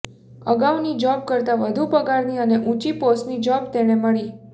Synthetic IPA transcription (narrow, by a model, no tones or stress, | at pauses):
əɡaʋnid͡ʒɔb̚kəɾt̪aʋəd̪ʱupəɡaɾniəneʔũt͡ʃiposnid͡ʒɔbt̪eɽ̃eməɭi